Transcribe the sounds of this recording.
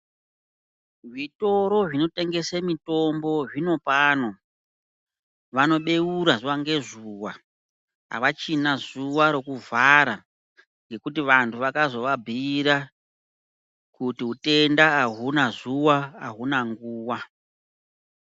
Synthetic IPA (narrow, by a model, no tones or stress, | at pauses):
ʐito̞ɾo̞ʐino̞te̞ŋɡe̞semito̞mbo̞ʐino̞paːno̞ | ʋano̞ɓe̞uɾazuwaŋɡe̞zuwa̰ | ɦa̰ʋat͡ʃinazuwaɾo̞kuvaɾa | ŋɡe̞kut̬iʋantʰuʋakazo̞ʋabʱiːɾa | kutiɦute̞ndaːɦunazuwa̰ːɦunaŋɡuːwa